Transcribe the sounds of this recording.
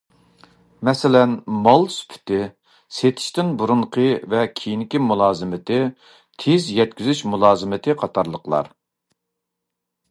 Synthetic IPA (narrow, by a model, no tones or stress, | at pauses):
mɛsɪlɛnmɑlˠsy̥pʰy̥t̪ɪ | set̪ʰɪ̥ʃt̪ɪnbuɾuɴqʰəvɛkʲʰijinɪkʲimulˠɑːzɨmɪt̪ɪ | t̪ʰezjɛt̪̚kʲyzyʃmulˠɑːzɨmɪt̪ʰɨqʰɑt̪ʰɑɾlˠəqlˠɑ̰ɾ